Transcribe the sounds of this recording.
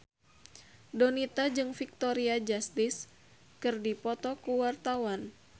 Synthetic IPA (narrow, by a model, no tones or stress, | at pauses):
donit̪ad͡ʒɨŋfik̚t̪oɾiad͡ʒast̪is | kɨrdipɔt̪ɔkuwart̪awan